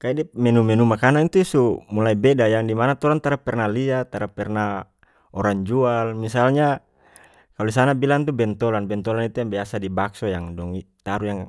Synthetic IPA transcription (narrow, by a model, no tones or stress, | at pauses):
kaidɛmɛnumɛnumakanaint̪usumulaibɛdajaŋdimanat̪ɔɾant̪aɾapɛrnaliat̪aɾapɛrna | ɔɾaŋd͡ʒualmisalɲa | kalus̬anabilaŋt̪ubɛnt̪ɔlanbɛnt̪ɔlanit̪ujaŋbiasadibaksɔjaŋdɔŋit̪aɾujaŋ